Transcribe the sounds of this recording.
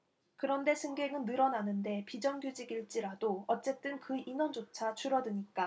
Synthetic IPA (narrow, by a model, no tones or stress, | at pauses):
kɯɾʌnde̞sʰɯŋɡe̞ŋɯnːɯɾʌnanɯnde̞pid͡ʑʌŋɡjud͡ʑiɡiɭt͡ɕ͈iɾadoʌt͡ɕ͈e̞t͈ɯnkɯinʌnd͡ʑot͡ɕʰat͡ɕʰuɾʌdɯɲik͈a